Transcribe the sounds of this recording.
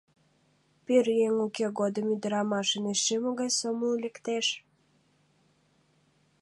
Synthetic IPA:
peɾjeŋukeɣod̪əmyd̪əɾɑmɑʃəneʃemoɣɑjsomulʲĕkt̪eʃ

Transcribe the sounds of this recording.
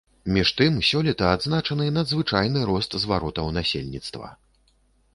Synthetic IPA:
mʲiʂt̪ɨmsʲɔlʲit̪ɐad̪znat͡ʂɐnɨnɐd̪zvɨt͡ʂajnɨɾɔst̪zvaɾɔt̪ɐwnasʲḛlʲnʲit̪st̪vɐ̰

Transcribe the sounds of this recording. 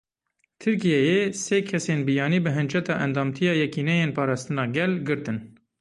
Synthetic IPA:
t̪ʰɨɾkijɛjeseːkʰɛsenbijɑːniːbɨɦɨnd͡ʒɛt̪ɑːʔɛnd̪ɑːmt̪ʰijɑːjɛkiːnɛjeːnpʰɑːɾɑːst̪ɨnɑːɡɛlɡɨɾt̪ɨn

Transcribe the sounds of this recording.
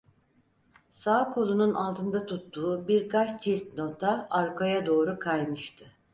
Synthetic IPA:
saːkʰo̞lˠununʔalˠt̪ʰɯnd̪at̪ʰut̪ːuːbiɾkat͡ʃd͡ʒilʲt̪̚no̞t̪ʰaaɾkʰajad̪o̞ːɾukʰajmɯʃt̪ʰɯ

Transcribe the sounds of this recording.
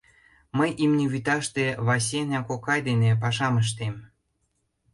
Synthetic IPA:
məjʔimnʲeβyt̪ɑʃt̪eβɑs̬ʲenʲɑkokɑjd̪enep̬ɑʃɑməʃ̬t̪em

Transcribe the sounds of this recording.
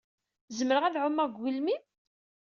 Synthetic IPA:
zəməɾəʁæðʕʊmːæɡʷilmi

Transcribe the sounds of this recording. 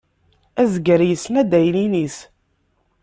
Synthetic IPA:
æzɡəɾjəsːnæd̪æjlinis

